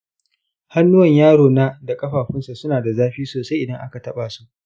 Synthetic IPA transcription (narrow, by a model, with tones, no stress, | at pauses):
ha˦nːʊ˦wɐ˨ɲjaː˦ɽoː˨na˦da˨kʼɐ˦ɸaː˨ɸɪ˦nsa˨sʊ˦naː˨da˨zaː˦ɸiː˦soː˨sa˦jʔɪ˨dɐ˦ŋʔa˦ka˨tɐ˦ɓaː˨su˦ʔ